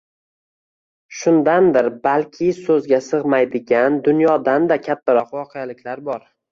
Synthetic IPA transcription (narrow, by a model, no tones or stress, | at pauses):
ʃʊnd̪and̪ɪɾbalkʲʰɪsɵzɡʲasɨʁmajd̪ɪɡʲand̪ʊnjɒd̪and̪akʲʰat̪ʰːaɾɒqwɒqʰejalɪkʲʰlaɾbɒɾ